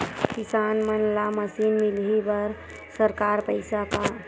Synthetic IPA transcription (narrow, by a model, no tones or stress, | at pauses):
kisanmənlaməsinmilɦibəɾ | səɾkaɾpəɪsapa